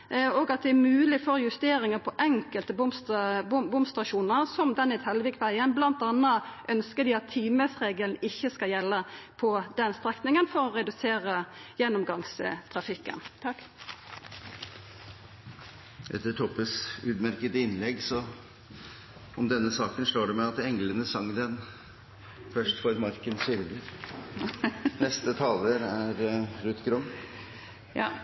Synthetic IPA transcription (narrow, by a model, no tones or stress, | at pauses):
oːɡɑt̪̚d̪ɛæɾmʉːlɪfɔɾjʉst̪eːɾɪŋəpʰɔʔɛŋkəlt̪əbʊmsbbʊmst̪ʁɑʃuːnəʁsɔmd̪ɛnɛt̪hɛlʋɪkt̪ʋæɪənblɑnt̪ɑnːəʔœnskəd̪ɪɑt̪ʰːiːməsʁeːɡəln̩ɪçːəskɑljɛlːəpʰɔd̪ɛnst̪ɾɛk̪nɪŋənfɔʁɔʁɛd̪ʉseːʁəjɛnːʊmɡɑŋst̪ʰʁɑfɪkːə̰n | ʔɛ̰t̪ːəʈʰɔpəsʉːd̪mæɾkət̪əɪnlɛɡsɔ | ɔmd̪ɛnːəsɑːkənʂloːɖɛmɛɑt̪ɛŋlənəsɑŋd̪ɛn | fœʂʈfɔɾmɑɾkənsʏɾd̪əɾ | nɛst̪ət̪ʰɑːləɾæɾɾʉːt̪ɡɾʊm | jɑː